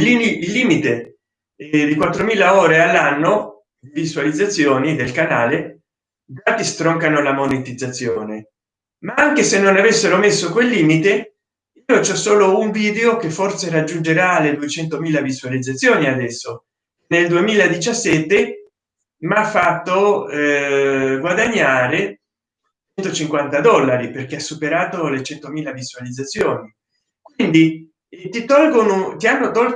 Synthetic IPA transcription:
liiilːiːmit̪e | d̪ikwat̪ːɾomiːlaoːɾealːanːo | d̪d̪ivizualid̪zːat̪sːjoːnid̪elkanaːle | d̪aːt̪ist̪ɾɔŋkanolamonet̪id̪zːat̪sːjoːne | maaŋkesenːonavesːeɾomesːokwelːiːmit̪e | iːot͡ʃɔsːoːlouɱviːd̪eokefːorseɾad͡ʒːund͡ʒeɾaːlːed̪uet͡ʃɛnt̪omiːlavizualid̪zat̪sːjoːniad̪ɛsːo | neld̪uemiːlad̪it͡ʃasːɛt̪ːe | mafːat̪ːo | ɡwad̪aɲːaːɾe | t͡ʃɛnt̪ot͡ʃiŋkwant̪ad̪ɔlːaɾiperk̟easːupeɾaːt̪olet͡ʃɛnt̪omiːlaviz̥ualid̪zːat̪sːjoːni | kwind̪i | t̪it̪ɔlɡonot̪ianːot̪ɔl

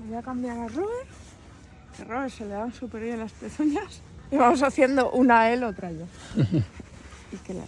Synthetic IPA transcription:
βakambjaɾeroβeɾ | ero̞βese̞leðansupe̞ɾβjenlaspeθuɲas | iβamo̞saθje̞nd̪o̞ʔunaelot̪ɾaʝa | ike̞la̰

